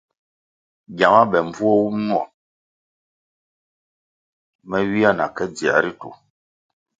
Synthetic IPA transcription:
ɟa˨ma˦bɛ˨m˦b͡vu˦ɔ˦wu˦mnu˦ɔ̰˨ | mɛ˦ɥi˦a˦˨na̰˨kɛ˦d͡zi˨a̰˨ɾi˦tṵ˨

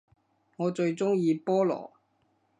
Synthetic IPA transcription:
ŋɔː˨˧t͡ʃɵ˧ɥt͡sʊ˥ŋjiː˧pɔː˥lɔ̰ː˨˩

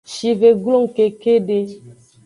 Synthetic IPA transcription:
ʃi˨ve˨ɡlo˦ŋ˨ke˨ke˦de˦

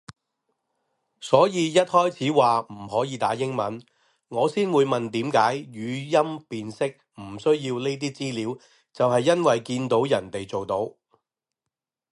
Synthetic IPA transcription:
sɔː˨˥jiː˨˧jɐ˥t̚hɔː˥jt͡sʰiː˨˥waː˨m̩˨˩ɦɔː˨˥jiː˨˧t̪aː˨˥jɪ˥ŋmɐ˨˥n | ŋɔː˨˧siː˥nwuː˨˧jmɐ˨nt̪iː˨˥mkaː˨˥jjyː˨˧jɐ˥mpiː˨nsɪ˥k̚ | m̩˨˩sɵ˥ɥjiː˧wne˥jt̪̬iː˥t͡siː˥liː˨˥w | t͡sɐ˨whɐ˨jːɐ˥nwɐ˨jkiː˧nt̪o˨˥wjɐ˨˩nt̪e˨jt͡so˨wt̪o˨˥w

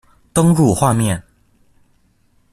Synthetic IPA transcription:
t̪ɤ˥ŋɻu˥˨xwa˥˨mjɛ˥˨n

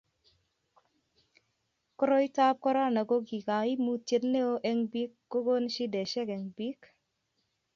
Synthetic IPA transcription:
kɔ˦ɾɔ˦i˦ta˦p̚kɔ˦ɾa˦na˨ɡo˦ɡi˨ka˨i˦mu˦t͡ʃe˦tne˦o˦ʔɛ˦ŋbi˦kːo˦ɡo˦nʃi˦dɛ˨ʃɛ˦kɛ˨ŋbi˦k

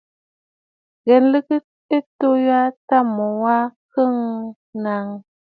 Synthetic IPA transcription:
ɣɛ˨nlɨ˦kə˦ | e˦to˦ja˦ta˦˨mo˨wa˦kə˦˨ŋ | na˨ŋ

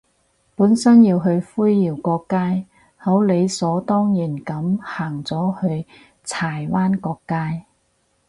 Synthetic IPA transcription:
puː˨˥nsɐ˥njiː˧wɦɵ˧ɥfuː˥jjiː˨˩wkɔː˧kːaː˥j | hɐ˨˥wle˨˧jsɔː˨˥t̪ɔː˥ŋjiː˨˩nkɐ˨˥mhaː˨˩ŋt͡sɔː˨˥hɵ˧ɥ | t͡sʰaː˨˩jwaː˥nkɔː˧kːaː˥j

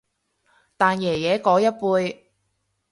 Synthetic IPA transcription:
t̪aː˨njɛː˨˩jɛː˨˥kɔː˨˥jɐ˥t̚puː˧j

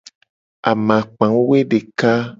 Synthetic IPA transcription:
a̰˨mã˨k͡pã˨˦we˦ɖe˨ka˦

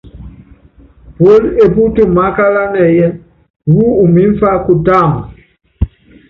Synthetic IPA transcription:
po˦le˦˨bu˦tu˦˨ma˨˦ka˦la˦nɛ˨jɛ˦˨ | wu˦u˨mi˨˦ɱ˦fa˦ku˦ta˦˨m˨

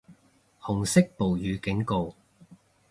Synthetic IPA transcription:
hʊ˨˩ŋsɪ˥k̚po˨˩wjyː˨˧kɪ˨˥ŋko˨w

